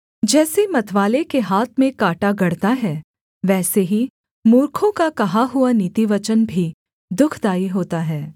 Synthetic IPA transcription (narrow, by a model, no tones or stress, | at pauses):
d͡ʒɛːsemɐt̪ʰʋaːlekeɦaːt̪̚ʰmẽkaːʈaɡɐɽt̪aɦɛː | ʋɛːseɦi | muːɾkʰõkakɐɦaɦʊaniːt̪iʋɐt͡ʃənbʱi | d̪ʊkʰd̪aːiɦoːt̪aɦɛː